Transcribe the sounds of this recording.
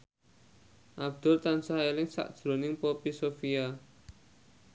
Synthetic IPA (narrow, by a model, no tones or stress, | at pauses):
ʔab̚d̪̥ʊ̤rt̪ansaɦelɪŋsa̰ʔd̥ʒ̥ɾonɪŋpopisofia